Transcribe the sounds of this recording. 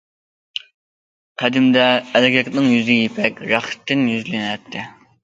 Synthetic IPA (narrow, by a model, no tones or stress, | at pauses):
qʰæd̪ɪmd̪ɛːlɡʲɛkʲnɨŋjyzɪjipʰɛkʲɾɑχt̪ːɪnjyzlynɛt̪ʰːɪ